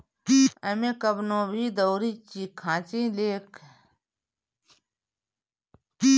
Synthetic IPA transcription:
kiɐmẽkɐbnõːbʱiːd̪ɐwɾit͡ʃikʰãːt͡ʃĩːleːk | ki

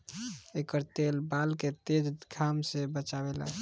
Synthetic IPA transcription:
ekəɾt̪elbalket̪ed͡ʒɡʱamsebət͡ʃabela̰

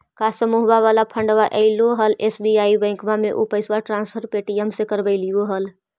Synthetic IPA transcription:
kasəmuɦbaβalapʰəɳɖʋaʔɛɪloɦəlesbiaibə̃ɪ̃kmameʔupəɪswaʈɾãnspʰəɾpeʈiəmsẽkəɾbəɪlijoɦəl

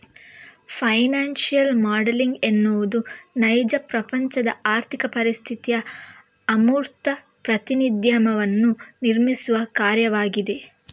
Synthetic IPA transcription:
pʰɐjnaːnʃijɐlmaːɖeliŋɡe̞nːuʋud̪unɐjd͡ʒɐpɾɐpɐɲt͡ʃɐd̪ɐaːɾt̪ʰikɐpɐɾist̪ʰit̪ijɐː | muːɾt̪ɐ | pɾɐt̪inid̪jɐmɐʋɐnːuniɾmisuʋɐkaːɾjɐʋaːɡid̪e̞

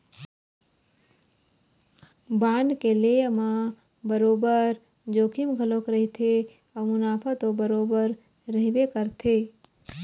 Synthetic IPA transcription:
baːnɖkeleəmã | bəɾoːbəɾ | d͡ʒoːkʰimɡʱəlokɾəɦit̪ʰe | ɔmʊnaːpʰət̪obəɾoːbəɾː | əɦibekəɾt̪ʰe

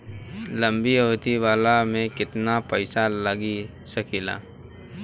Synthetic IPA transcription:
lɐ̃mbiɦoːt̪iʋaːlamẽkɪt̪napəɪsalɐɡi | sɐkila̰ː

